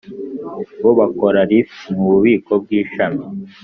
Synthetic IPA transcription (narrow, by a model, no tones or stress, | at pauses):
βo̞βako̞ɾaɾimuβuβiːko̞b̚ɡiːʃami